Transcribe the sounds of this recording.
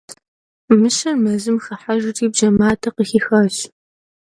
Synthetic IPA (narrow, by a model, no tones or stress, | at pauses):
mɨɕɐrmɐzɨmxɐħaʒtʰiːbʒɐmaːtʰɐqəxiːxɐɕ